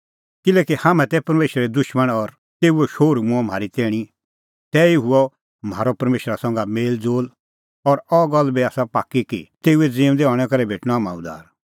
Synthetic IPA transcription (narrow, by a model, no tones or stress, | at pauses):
kɪlɛːkihaːmɛ̃t̪ɛpɐɾmeːʃɾɾɛd̪ʊʃməɽ̃ɔɾ | t̪eːuɛʃoːɾmũɔ̃m̤aːɾit̪ɛːɽ̃i | t̪ɛiuɔ | maːɾɔpɐɾmeːʃəɾasɔ̃ŋɡameːld͡zoːl | ɔɾɔɡɔlːbiaːsapa̰ːkːikḭt̪eːuɛd͡ziːʊ̃d̪eɔːɽ̃ɛkɐɾɛbʱeːʈñɔaːmã̰ʊ̰d̪a̰ːɾ